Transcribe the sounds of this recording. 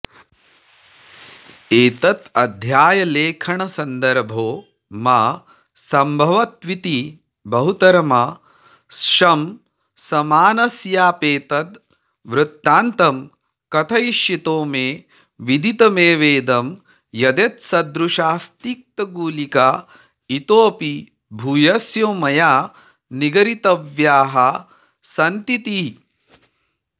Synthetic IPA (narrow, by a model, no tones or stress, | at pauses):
eːt̪ɐt̪ɐd̪ʱjaːjɐleːkʰɐɳɐsɐnd̪ɐɾbʱoː | maː | sɐmbʱɐʋɐt̪ʋit̪i | bɐɦut̪ɐɾɐmɐ | sʂɐm | sɐmaːnɐsjaːpeːt̪ɐt̪ | ʋɾut̪ːaːnt̪ɐm | kɐt̪ʰɐjiʃjit̪oːmeː | ʋid̪ʱit̪ɐmeːʋeːd̪ɐm | jɐd̪et̪sɐd̪ɾuʃaːst̪ik̚t̪ɐɡuːlikaː | it̪oːpi | bʱuːjɐsjoːmɐjaː | niɡɐɾit̪ɐʋjaːɦɐ | sɐnt̪it̪i